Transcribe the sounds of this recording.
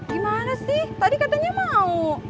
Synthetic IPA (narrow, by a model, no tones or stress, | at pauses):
ɡimanasiht̪adikat̪aɲamau